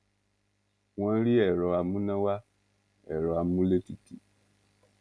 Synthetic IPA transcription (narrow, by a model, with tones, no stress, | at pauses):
wã˦ɾi˦ɛ˨ɾɔ˨a˨mũ˦nã˦wa˦ | ɛ˨ɾɔ˨a˨mũ˦le˦ti˨ti˨